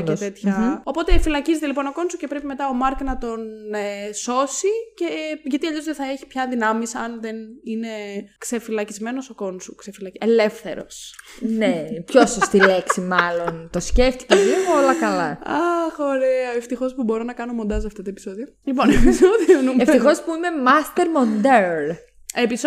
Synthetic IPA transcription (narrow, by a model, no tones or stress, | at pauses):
et̪e̞t̪çɐo̞po̞t̪efilɐcizet̪elipo̞no̞ko̞nsuce̞pɾepime̞t̪ɐo̞mɐɾknɐt̪o̞neso̞siceʝɐt̪iɐʎozðeθɐeçi̥pçɐðinɐmisɐnðenine̞kse̞filɐcizme̞no̞soko̞nsṵkse̞filɐcele̞fθe̞̰ɾo̞̰snepçosost̪ile̞ksimɐlo̞nt̪o̞sceft̪i̥ceoolɐkɐlɐɐxo̞ɾeɐeft̪ixo̞spubo̞ɾonɐkɐno̞mo̞nd̪ɐs̬ɐft̪ɐt̪oepiso̞ðio | lipo̞nepisoðionumeft̪ixo̞spuime̞mɐst̪eɾmond̪eɾn | epis